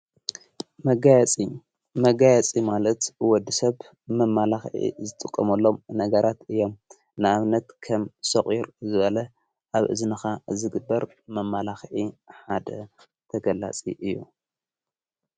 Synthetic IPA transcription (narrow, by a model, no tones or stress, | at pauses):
mɐɡajt͡sʼi | mɐɡajɛt͡sʼimalɐt̪wɔd̪ːisɐβ | mɐmːalaxʕḭzɨt̪ʼɨkʼːɐmɐlːo̞mnɐɡɐɾat̪ɨjːo̞m | nɨaβnɐt̪kʰɐmsɐχʼjiɾzɨβɐlɐ | ʔaβʔɨ̰znɨxazɨɡɨbːɐɾ | mɐmːalaxʕiħad̪ɐ | t̪ʰɐɡɐlːa̰t͡sʼḭʔɨjːu